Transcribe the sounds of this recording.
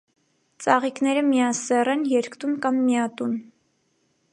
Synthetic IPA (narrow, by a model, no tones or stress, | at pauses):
t͡sɑʁiknɛɾəmijɑsɛrɛnjɛɾkʰt̪unkɑmːijɑt̪un